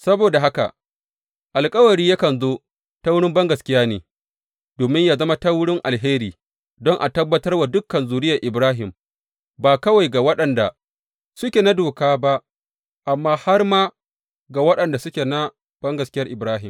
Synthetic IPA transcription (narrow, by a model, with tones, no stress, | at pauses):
sɐ˦boː˨da˨ɦa˦ka̰˨ | ʔa˨lkʼɐ˦wɐ˨ɾiː˦ja˦kɐ˨nzoː˦ | ta˦wʊ˦ɽɪ˦mbɐ˦ŋɡɐ˨skʲɪ˦jaː˦nḛː˨ | doː˨mɪ˦ɲjaː˦zɐ˦ma˦ta˦wʊ˦ɽɪ˦ŋʔa˨lɦeː˦ɾiː˨ | dɔ˦ŋʔa̰˨tɐ˦bːɐ˦tɐ˦rwa˨dʊ˦kːɐ˨nzuː˨ɾɪ˦jɐ˨ʔɪ˨bɾaː˦ɦɪ˨m | baː˨kɐ˦wa˨jɡa˨wɐ˦ɗɐ˨nda̰˨ | sʊ˦kʲe˨na˦doː˨kaː˦ba˦ʔ | ʔa˨mːaː˦ha˦rmaː˦ | ɡa˨wɐ˦ɗɐ˨nda˨sʊ˦kʲe˨na˦ | b̥ɐ˦ŋɡɐ˨skʲɪ˦jɐ˦rʔɪ˨bɾaː˦ɦɪ˨m